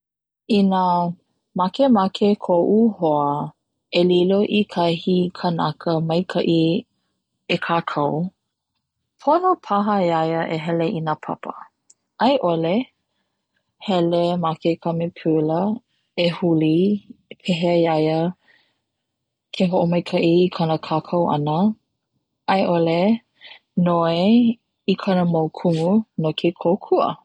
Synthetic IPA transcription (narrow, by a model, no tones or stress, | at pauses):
inə | makemakʰekʰoʔuhoə | eliloʔikʰɐhikʰənɐkʰəmɐjkʰɐʔi | ekʰaːkʰɐw | pʰonopʰɐɦəjɐjəʔeɦɛleʔinapʰɐ̰pə̰ | ʔɐjʔole | hɛlemakekʰɐmepʰʉlə | ehulipʰeɦeɐjɐjə | kʰeɦoʔomɐjkʰɐʔiːkʰɐnəkʰaːkʰɐwʔɐ̰nə | ɐjʔole | noe | ikʰɐnəmowkʰuŋunokʰekʰowkʰuə̰